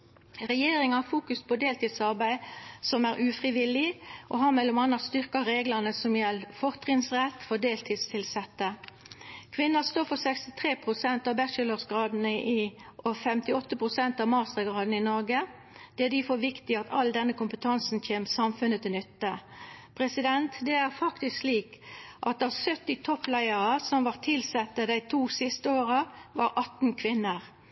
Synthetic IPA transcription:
ʁɛjeːɾɪŋɑhɑfuːkʉspʰɔd̪eːlt̪iːd̪sɑʁbæɪsɔmæːʁʉːfʁɪʋɪlɪʔoɦɑmɛlɔmɑnɑst̪ʏʁkɑɾeːɡlənəsɔmjɛlːfɔʁt̪ʁɪŋsʁɛt̪ːfɔd̪eːlt̪ʰiːd̪st̪ʰɪlsɛt̪ːə | kʰʋɪnːəst̪oːfɔsɛkst̪ɪt̪ʰʁeːpʰʁʊsɛnt̪ɑːʋbɛʃələʁsɡʁɑːd̪n̩ʔiʔɔfɛmt̪ɪɔt̪ːəpʰʁʊsɛnt̪ɑːmɑːʁst̪ʁəɡʁɑːd̪n̩ɪnɔʁɡə | d̪̥ɛæd̪ɪfoːʋɪkt̪ɪɑt̪ʰɑld̪ɛnːəkʊmpət̪ʰɑnsn̩çeːməsɑmfʉnət̪ʰɪlnʏt̪ːəpʰʁɛsɪd̪ɛnt̪d̪ɛæʁfɑkt̪ɪsksliːkʔɑt̪ɑʋsœt̪ːɪt̪ʰɔpːlæɪəʁəsɔmʋɑːʁt̪ʰɪlsɛt̪ːəd̪æɪt̪ʰuːsɪst̪əoːʁəʋɑɾʔɑt̪n̩kʰʋɪnːəʁ

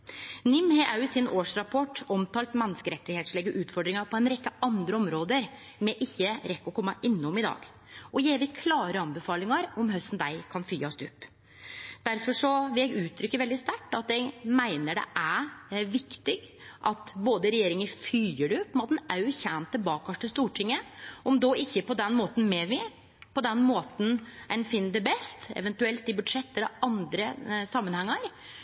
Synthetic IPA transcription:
nɪmhɛʔɑʉsɪnoːʂɾɑpʰɔʈːɔmt̪ʰɑːlt̪mɛnːəskəɾɛt̪ːɪheːt̪slɛɡəʔʉːt̪fɔɖɾɪŋɑɾpʰɔɛnɾɛkːəɑnd̪ɾəɔmɾoːd̪əɾ | mɛʔɪçːəɾɛkːɔkʰɔmːɑʔɪnːʊmɪd̪ɑ̰ːɡ | ʔɔjeɪʋɪkʰlɑːɾəɑnbəfɑːlɪŋɑɾɔmɦœst̪n̩d̪æɪkʰɑnfyːɑst̪ʉpː | d̪̥æɾfɔʂɔʋɪljæɪɡʉːt̪ʰɾʏkːəɾʋɛld̪ɪst̪æʈːɑt̪̚d̪ɛɡmæɪnəɖɛ̰ʔæɾʋɪkt̪ɪɡ | ʔɑt̪boːd̪əɾɛjeːɾɪŋəɾfyːəɖɛʊpːmɛnɑt̪d̪næɾjʊçænt̪əbɑːkɑʂʈəst̪uːʈʰɪŋːəʔɔmd̪oːʔɪçːəpɔd̪ɛnːmoːt̪n̩mɛʋɪ | pʰɔd̪ɛnmoːt̪n̩ɛnfɪnːd̪ɛbɛst̪ɛ̰ʋɛnt̪ʉɛlt̪ɪbʉd̪ʂɛt̪ːɛlɔɑnd̪ɾəsɑmːənhɛŋːɑɾ

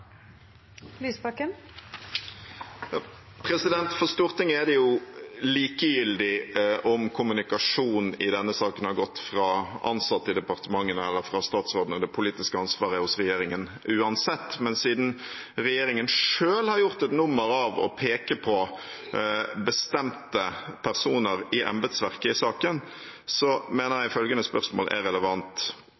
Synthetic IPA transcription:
lyːspɑkːən | jɑ | pʰɾɛsɪd̪ɛnt̪fɔʁst̪uːʁt̪ɪŋːɛd̪ɛjʊliːkəjʏld̪ɪʔɔmkʰʊmʉnɪkɑʂuːnɪd̪ɛnːəsɑːkənhɑɾɡɔt̪ːfɾɑɑ̰nsɑt̪ːɪd̪ɛpɑʁt̪əmɑŋːənəɛlːəɾfɾɑst̪ɑːt̪sʁoːd̪ənəd̪ɛpʰʊliːt̪ɪskəɑnsʋɑːʁəhʊsɾɛjeːɾɪŋən | ʉːɑnsɛt̪ːmɛnsiːd̪n̩ | ɾɛjeːɾɪŋənʂøːlhɑɾjʊʁt̪ɛt̪nʊmːəɾɑʋɔ̰pʰeːkəpʰɔ | bəst̪ɛmt̪əpʰæɾsuːnəɾɪʔɑ̰mbət̪sʋæʁkəɪsɑːkən | sɔmeːnəʁjæɪɪfœlɡənəspœʁsmo̰ːlʔɛ̰ɾɛləʋɑnt̪

